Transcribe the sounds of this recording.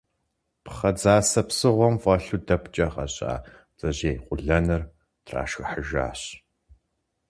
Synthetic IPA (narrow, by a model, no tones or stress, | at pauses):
pχɐd͡zaːsɐpsɨʁʷɔmfʼɐɬudɐpʰt͡ʃʼɐqɐ̰ɕʼa̰ː | d͡zʼɐʑeːqʷʼʊɮɐnɨr | tʰra̰ːʃxɨħəʒa̰ːɕ